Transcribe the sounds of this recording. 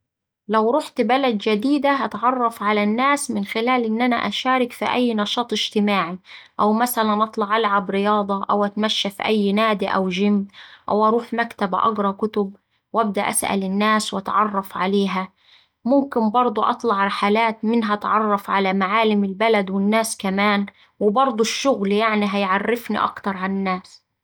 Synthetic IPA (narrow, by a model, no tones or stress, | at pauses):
lawɾˤʊħt̪balad̪d͡ʒad̪iːd̪aɦat̪ʕɑrˤːɑfʕalanːaːsmɪnxɪlaːlʔɪnːʔana̰ʔaʃaːɾɪkfḭʔajːnɑʃɑːt̪ˤɪʒ̥t̪ɪmaːʕiʔawmasalanʔɑt̪ˤlɑʕʔalʕabɾɪjɑːd̪ˤɑʔawʔat̪maʃːafḭʔajːnaːd̪iʔa̰wʒɪmʔa̰wʔɑɾˤuːħmakt̪abʔɑ̰ɡɾˤɑkʊt̪ʊb | wʔæb̚d̪aʔa̰sʔa̰lɪnːaːswʔɑt̪ʕɑrˤːɑfʕaleːɦa | mʊmkɪmbɑɾˤd̪ˤuʔɑ̰t̪ˤlɑʕɾɪħalaːt̪mɪnɦæt̪ʕɑrˤːɑfʕalamaʕaːlɪmɪlbalad̪wɪnːaːskamaːn | wɪbɑɾˤd̪ˤʊʃːʊɣljaʕniɦajʕarːɪfnḭʔɑ̰kt̪ɑɾˤʕanɪnːaːs